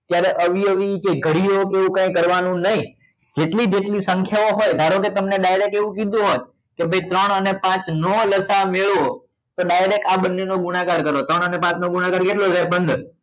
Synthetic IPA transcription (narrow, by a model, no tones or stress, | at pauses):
t̪jaɾeʔəʋiəʋikeɡʱəɽiokeʋũkãĩkəɾʋanũnəɦĩ | d͡ʒeʈlid͡ʒeʈlisəŋkʰjaoɦojd̪ʱaɾoket̪əmneɗajɾek̚eʋũkid̪ũɦot̪ | kebʱəit̪ɾəɳənepãt͡ʃnoləsameɭʋo | t̪oɗajɾekaɓənːenoɡunakaɾkəɾot̪ɾəɳ̃ənepãt̪noɡunakaɾkeʈlod͡ʒaɾbənd̪ʱ